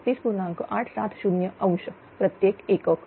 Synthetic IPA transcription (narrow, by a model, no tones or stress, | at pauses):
t̪iːspuɾnãŋkoʔaʈʰsat̪ʰʃunjəə̃w̃ʃə | pɾət̪jekekək